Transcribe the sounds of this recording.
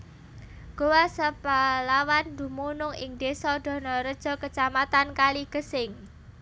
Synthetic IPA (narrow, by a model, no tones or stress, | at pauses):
ɡ̥owasəpalawand̪ṳmunʊŋɪŋd̪̥esɔd̪̥ɔ̤nɔɾəd̥ʒ̥ɔ̤kət͡ʃamat̪ankaliɡ̥ə̤sɪŋ